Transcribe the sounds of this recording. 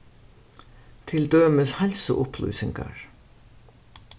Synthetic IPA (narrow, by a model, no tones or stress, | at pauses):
t̪ʰɪld̪øːmɪshɛlsʊʔʊplṵjsɪŋka̰ɹ